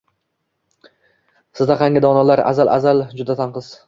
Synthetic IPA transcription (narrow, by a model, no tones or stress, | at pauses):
sɪzd̪aqʰɑŋʲɪd̪ɒnalaɾa̰zalʔa̰zald͡ʒʊd̪at̪ʰanqɨz̥